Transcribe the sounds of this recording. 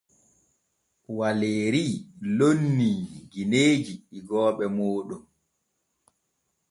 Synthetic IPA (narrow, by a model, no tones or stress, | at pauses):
waleːɾilonːiːɡineːd͡ʒiːɡɔːɓɛmoːɗɔm